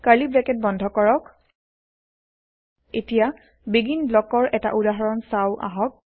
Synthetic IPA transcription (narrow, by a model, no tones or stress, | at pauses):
kalibɹɛkɛt̚bɔndʱɔkɔɹɔk | etija | biɡinblɔkɔɹʔɛta̰ʔudaɦɔɹɔnsawʔa̰ɦɔk̚